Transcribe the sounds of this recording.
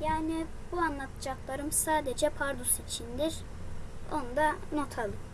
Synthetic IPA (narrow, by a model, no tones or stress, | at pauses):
jaːni | buanlˠat̪ʰɯd͡ʒaklˠaɾɯmsaːd̪ed͡ʒɛpʰaɾd̪usit͡ʃʰind̪iɾ | o̞nd̪ano̞t̪ʰalˠɯ